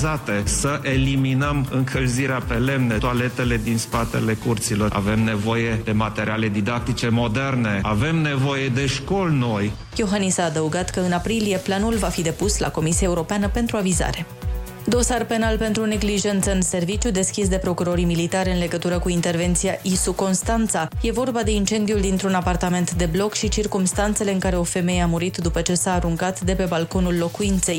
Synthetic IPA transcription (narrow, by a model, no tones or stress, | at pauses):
zat̪e̞səʔeliminəmɨŋkʰəlziɾeape̞le̞mnet̪oale̞t̪e̞le̞d̪inspat̪ḛle̞kurt̪silo̞ra̰ve̞mne̞vo̞jed̪e̞mat̪eɾiale̞d̪id̪ak̚t̪it͡ʃe̞mo̞d̪e̞rne̞ave̞mne̞vo̞je̞d̪e̞ʃko̞lno̞j | joɦanisaːd̪əuɡat̪kəɨnapɾilije̞planulvafid̪e̞pusla̰ko̞misiaeuɾo̞peanəpe̞nt̪ɾuaviza̰ɾe̞ | d̪o̞sarpe̞nalpe̞nt̪ɾune̞ɡliʒe̞nt̪səɨnse̞rvit͡ʃjud̪e̞skʲisd̪e̞pɾo̞kuɾo̞ɾimilit̪aɾʲɨnle̞ɡət̪uɾəkuint̪e̞rve̞nt̪sijaʔisuko̞nst̪ant̪saje̞vo̞rbad̪e̞int͡ʃe̞nd̪iuld̪int̪ɾunapart̪ame̞nt̪d̪e̞blo̞kʃit͡ʃirkumst̪ant̪se̞le̞ɨŋkaɾe̞o̞fe̞me̞jeamuɾit̪d̪upət͡ʃe̞saːɾuŋkat̪d̪e̞pe̞balko̞nulːo̞kuint̪se̞j